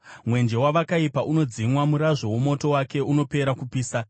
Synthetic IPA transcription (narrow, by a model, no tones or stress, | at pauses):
mwe̞nd͡ʒe̞waʋakaipaʔuno̞d͡zimwamuɾaʐo̞womo̞to̞wake̞uno̞pe̞ɾakupiːsa